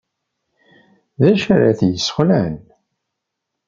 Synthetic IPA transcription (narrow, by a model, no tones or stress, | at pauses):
ðæʃæɾaθjəsːχlæn